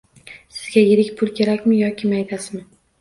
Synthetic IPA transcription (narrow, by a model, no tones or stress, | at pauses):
sɪzɡʲajɪɾɪkʲpʰʊlˠkʲʰe̞ɾakʲmɪjɒkʲʰɪmajt̪ʰasɪmɪ